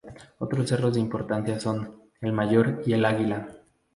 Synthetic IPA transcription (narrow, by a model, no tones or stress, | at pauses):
o̞t̪ɾo̞sːe̞ro̞zðeimpo̞ɾt̪ansjaso̞n | e̞lmaʝo̞ɾie̞laɣila